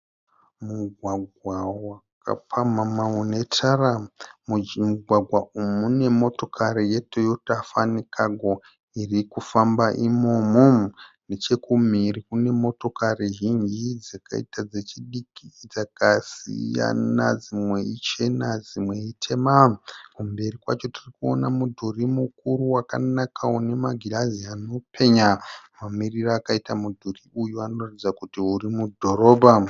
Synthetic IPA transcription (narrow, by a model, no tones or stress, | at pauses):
muɡʱwaɡʱwawakʰa̰pʰamamaune̞tʰara | muɡʱwaɡʱwaumune̞mo̞to̞kʰaɾije̞tʰojo̞tafanikʰaɡo | irikufambaʔimomunet͡ʃe̞kum̤irikune̞mo̞to̞kariʒind͡ʒid͡zaka̰ḭtad͡ze̞t͡ʃiɗikid͡zakasḭja̰na̰d͡zimwe̞it͡ʃe̞nad͡zimwe̞itʰe̞makumbe̞rikwa̰t͡ʃo̞tirikuo̰namudʱurimukuɾuwaka̰nakʰawone̞maɡʱilaziano̞pʰe̞ɲamamiriraːkaitamudʱuriʔujuano̞ratid͡zakutiɦurimudʱo̞ro̞ːbʱa